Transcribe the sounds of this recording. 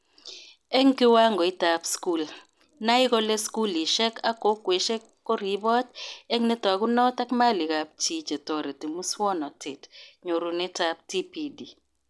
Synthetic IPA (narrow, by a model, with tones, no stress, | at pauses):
e˦ŋkɪ˦wa˦ŋɡɔ˨i˦ta˨psku˦˨l | na˦ɪ˦kɔ˦le˦sku˦li˨ʃɛ˦ka˦ko˦kwe˨ʃe˦ | kːɔ˦ɾi˦bɔ˦tɛ˦ŋnɪ˦t̪a˨ku˦nɔ˦t̪a˦kma˦li˨ka˨p̚t͡ʃi˦t͡ʃe˨tɔ˨ɾe˨ti˨mu˦swɔ˦nɔ˨tʰe˨tɲo˨ɾu˨nɪ˦ta˦p̚ti˦pi˦di˨